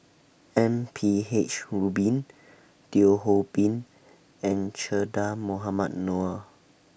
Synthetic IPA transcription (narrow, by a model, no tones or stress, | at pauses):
ɛ̃mpʰiet͡ʃɹubĩn | tioɦopĩn | ɛ̃nt͡ʃədamoɦamat̚noə